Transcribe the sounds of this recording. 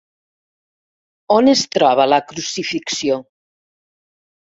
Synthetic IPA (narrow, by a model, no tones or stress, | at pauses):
onest̪ɾɔβalakɾusifiksjoŋ